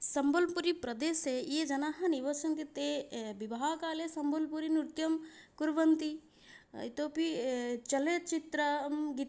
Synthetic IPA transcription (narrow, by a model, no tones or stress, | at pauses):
sɐmbolpuɾipɾɐd̪eːsejed͡ʒɐnaːɦɐniʋɐsɐnt̪it̪ebibaːkaːlesɐmbʱɐlpuɾinuɾt̪jɐmkuɾʋɐnt̪i | it̪oːpit͡ʃɐlet͡ʃit̪ɾɐmɡi